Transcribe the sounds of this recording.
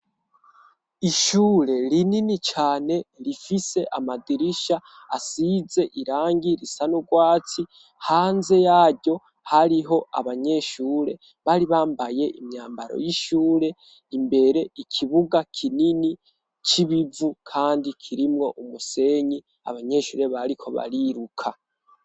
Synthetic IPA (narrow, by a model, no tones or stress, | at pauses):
iʃuːɾe̞ɾininit͡ʃaːne̞ɾifise̞ʔamadiɾiʃaː | size̞ʔiɾaːŋɡiɾisanuɡwaːt͡si | haːnze̞jaːɾɟo̞ | haɾiɦo̞a̰βaɲe̞ːʃuːɾe̞ | βaɾiβaːmbaje̞ʔimɲaːmbaɾo̞̰jiʃuːɾe̞ | imbe̞ɾe̞ikʰiβuɡakʰinini | t͡ʃiβivukʰaːndikʰiɾimŋo̞ʔumuse̞ɲi | a̰βaɲe̞ʃṵːɾe̞βaɾikʰo̞βa̰ɾiɾukʰa